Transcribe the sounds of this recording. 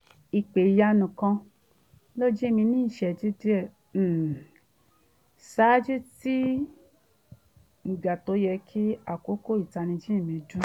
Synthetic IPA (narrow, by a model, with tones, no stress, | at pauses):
i˨k͡pe˨ja˧nũ˨kã˧ | lo˦d͡ʒi˦˨mĩ˧nĩː˦˨ʃɛ˨d͡ʒi˦di˦ɛ˦˨˦ | sa˨˦d͡ʒu˦ti˦ | ŋ̩˨ɡ͡ba˨to˨˦jɛ˧kʰi˦a˦˨ko˦ko˦i˦˨ta˧nĩ˧d͡ʒi˦i˦˨mĩ˧du˦